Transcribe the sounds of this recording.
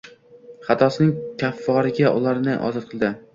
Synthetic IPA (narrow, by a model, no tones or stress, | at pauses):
χɑt̪ʰɒsɪnɪŋkʲʰafːɒɾɪɡʲaʔʊlˠaɾnɪʔɒ̰zɨt̪̚qʰɨlˠd̪ɪ